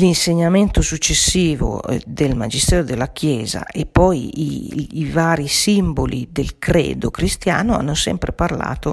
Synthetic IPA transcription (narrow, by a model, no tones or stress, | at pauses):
linseɲːamɛnt̪osut͡ʃːesːiːvo̰d̪elmad͡ʒist̪ɛːɾod̪elːak̟ʰjɛːza̰epːɔjiːvaːɾisimbolḭd̪elkɾɛ̰ːd̪okɾist̪ja̰ːnoa̰nːosɛ̰mpɾeparla̰ːt̪o